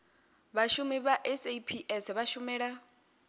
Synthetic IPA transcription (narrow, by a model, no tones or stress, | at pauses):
βaʃumiβaʔɛsepʰiʔɛsβaʃumɛːɺa